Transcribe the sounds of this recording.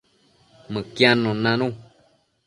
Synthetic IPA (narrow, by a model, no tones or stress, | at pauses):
mə̃kjãnõnãnũ